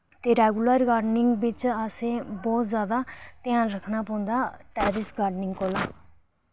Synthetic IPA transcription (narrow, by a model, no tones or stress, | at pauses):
t̪eːɾɛːɡuləɾɡaːɖnɪŋɡbɪt͡ʃasẽːbɔːt̪zjaːd̪aːt̪ɪãːnɾəkʰnaːpə̃ːʊ̃nd̪aːʈɛːɾɪsɡaːɾɖnɪŋɡkoːlaː